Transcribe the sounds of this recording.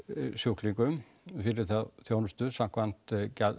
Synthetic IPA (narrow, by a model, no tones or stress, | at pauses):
sjohkliŋkʏm | fɪɾɪɾθaðθjoːwnʏst̪ʏsãŋkvan̥t̪ca